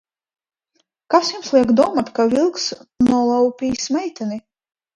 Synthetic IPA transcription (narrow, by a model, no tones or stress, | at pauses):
kasjumslˠiɛkd̪uɔmat̪kavʲilˠksnuɔlˠawpʲiːsmɛjt̪ɛni